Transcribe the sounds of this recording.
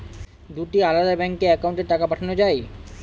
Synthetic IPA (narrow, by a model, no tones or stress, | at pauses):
d̪uʈialad̪abɛŋkːeɛkawɳʈeʈakapaʈʰanod͡ʑae